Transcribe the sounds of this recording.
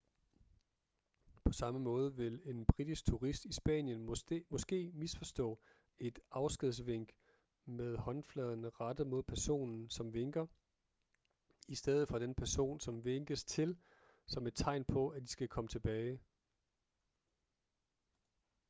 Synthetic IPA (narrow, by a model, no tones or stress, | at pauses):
pʰɒ̽sɑ̈məmɔ̽ːð̞ˠəʋe̝le̝nb̥ʁid̥isɡ̥̚t͡sʰuʁisd̥isb̥ɛ̰ːnjənmɒ̽sɡ̥e̝̰ːmisfɒ̽sd̥ɔ̰̽ː | e̝d̥ɑ̈ʊsɡ̥eðˠs̬ʋe̝ŋ̰ɡ̥ | með̞ˠhɒ̽nflɛðˠɐnəʁɑd̥əmo̝ð̞̰ˠpʰæɐso̝̰ːnn̩sɒ̽mʋeŋɡ̥ɐ | isd̥eð̞ˠð̩ˠfɒ̽d̥enpʰæɐso̝̰ːnsɒ̽mʋeŋɡ̥əst͡sʰe̝l | sɒ̽me̝d̥̚t͡sʰɑ̈ɪnpʰɒ̽æd̥i̥sɡ̥ækʰɒ̽mət͡sʰe̝b̥ɛːɪ